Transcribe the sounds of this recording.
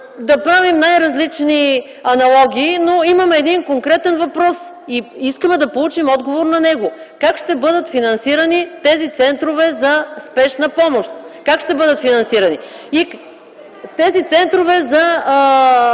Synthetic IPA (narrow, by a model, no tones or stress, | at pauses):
d̪ɐpɾavimnajɾɐzlit͡ʃni | ɐnɐlˠɔɡʲiːnoimɐmɛɛd̪inkoŋkɾɛt̪ɛnvɐpɾɔs | iiskəmɛd̪ɐpolˠut͡ʃimɔd̪ɡovoɾnɐnɛɡokakʃt̪ɛbɤd̪ət̪finɐnsiɾənit̪ɛzit̪sɛnt̪ɾovɛzɐspɛʃnɐpɔmoʃt̪kakʃt̪ɛbɤd̪ət̪finɐnsiɾɐni | i | t̪ɛzit̪sɛnt̪ɾovɛzɐ